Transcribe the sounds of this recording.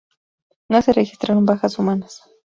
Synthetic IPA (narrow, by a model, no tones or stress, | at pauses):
noserexi̥st̪ɾaɾombaxasumanas